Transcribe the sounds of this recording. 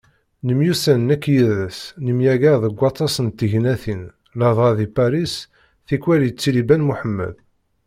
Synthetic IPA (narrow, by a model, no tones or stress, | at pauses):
nəmjusænnækːjiðæsnəmjæɡæðəɡʷːɑt̪ˤːɑsənt̪ːəʝnæθin | lɑðˤɑðipæɾis | θikːwælit͡sːilibænmuħəmːæ̰ð